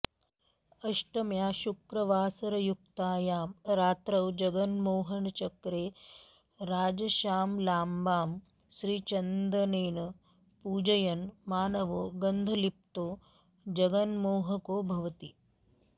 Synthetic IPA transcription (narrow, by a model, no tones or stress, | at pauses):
ɐʂʈɐmjaːʃukɾɐʋaːsɐɾɐjuk̚t̪aːjaːmɾaːt̪ɾɐwd͡ʒɐɡɐnmoːɦɐɳt͡ʃɐkɾeː | ɾaːd͡ʒɐʃaːmlaːmbaːm | ʃɾiːt͡ʃɐnd̪ɾɐneːnɐ | puːd͡ʒɐjɐnmaːnɐʋoːɡɐnd̪ʱɐlip̚t̪oː | d͡ʒɐɡɐnmoːɦɐkoːbʱɐʋɐt̪i